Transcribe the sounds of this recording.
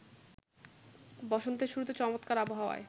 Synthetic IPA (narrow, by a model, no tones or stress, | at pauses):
bɔʃont̪ʰeɾʃuɾut̪et͡ɕɔmot̪kaɾaboɦaoa̰e